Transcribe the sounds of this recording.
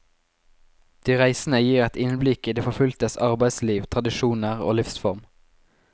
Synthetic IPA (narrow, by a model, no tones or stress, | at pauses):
d̪̥iːʁæɪsnəjiːʁɛt̪ɪnblɪkiːd̪eːfɔfʉlt̪əsɑʁbæɪsliːʋt̪ʰʁɑd̪ɪʃuːnəʁo̰ːlʏfsfɔʁm